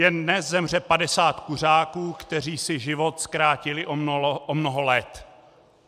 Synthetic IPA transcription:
jɛndnɛszɛmr̝ɛpadɛsaːt̪kur̝aːkuːkt̪ɛr̝iːsɪʒɪvo̞t̪skɾaːcɪlɪʔoʔomnoɦolɛt̪

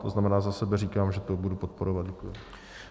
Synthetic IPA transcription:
t̪o̰znamɛnaːzasɛbɛriːkaːmʒɛt̪obudupo̞t̪̚po̞ɾovat̪̚ɟɛkujɪ

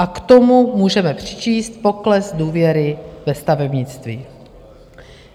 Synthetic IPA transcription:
ʔakt̪omumuːʒɛmɛpr̥ɪ̥t͡ʃiːst̪̚po̞klɛsduːvjɛɾɪvɛst̪avɛbɲɪt͡st̪viː

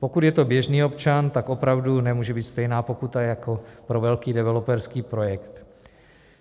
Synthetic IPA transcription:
po̞kut̪jɛt̪o̞bjɛʒniːo̞pt͡ʃant̪ako̞pɾavdunɛmuːʒɛbiːt̪st̪ɛjnaːpo̞kut̪ajakopɾo̞vɛlkiːdɛvɛlopɛɾskiːpɾo̞jɛkt̪

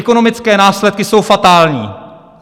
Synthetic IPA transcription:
ko̞no̞mɪt͡skɛːnaːslɛt̪̚kɪso̞wfat̪aːlɲḭː

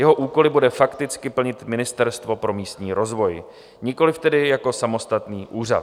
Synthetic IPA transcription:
jɛɦo̞ʔuːko̞lɪbudɛfakt̪ɪt͡skɪpl̩ɲɪt̪mɪnɪst̪ɛɾst̪vo̞pɾo̞miːst̪ɲiːɾo̞zvo̞j | ɲɪko̞lɪft̪ɛdɪjako̞samo̞st̪at̪niːʔuːr̝a̰t̪

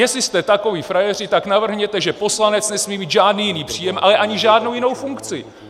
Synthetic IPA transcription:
jɛslɪst̪ɛt̪ako̞viːfɾajɛr̝ɪt̪aknavr̩ɦɲɛt̪ɛʒɛpo̞slanɛt͡snɛsmiːmiːt̪ʒaːdniːjɪniːpr̝̥iːjɛmʔa̰lɛʔaɲɪʒaːdno̞wjɪno̞wfuŋkt͡sɪ̰

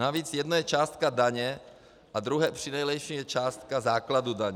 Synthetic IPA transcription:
aʋiːd͡zjɛd̪nɔjɛt͡ʃaːst̪kad̪aɲɛ | ʔad̪ɾuɦɛːpr̝̥inɛjlɛjʃimjɛt͡ʃaːst̪̚kazaːklad̪ud̪aɲɛ

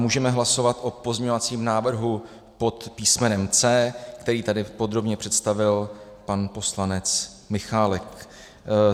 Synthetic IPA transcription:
muːʒɛmɛɦlaso̞vat̪ʔo̞po̞zɲeɲovat͡siːmnaːvr̩ɦu | pot̪piːsmɛnɛmt͡sɛːkt̪ɛɾiːt̪adɪpo̞d̪ɾo̞bɲɛpr̝̥ɛt̪st̪avɪlpanpo̞slanɛt͡s | mɪxaːlɛk

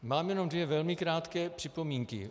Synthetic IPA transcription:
maːmjɛno̞md̪vjɛvɛlmɪkɾaːt̪kɛːpr̥ɪpomiːŋkɪ̰

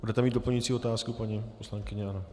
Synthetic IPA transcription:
budɛt̪ɛmiːdo̞plɲujit͡siːo̞t̪aːskupaɲiposlaŋkɪɲɛano

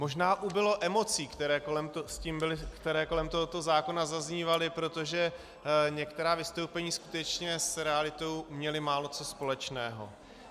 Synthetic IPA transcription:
mo̞ʒnaːʔubɪlo̞ʔɛmo̞t͡siːkt̪ɛɾɛːkoɛmt̪osciːmbɪlɪkt̪ɛɾɛːko̞lɛmt̪oɦot̪o̞zaːko̞nazazɲiːvalɪpɾo̞t̪oʒɛ | ɲɛkt̪ɛɾaːvɪst̪o̞wpɛɲiːskut̪ɛt͡ʃɲɛsɾɛalɪt̪o̞wmɲɛlɪmaːlo̞t͡so̞spo̞lɛt͡ʃnɛːɦo̰

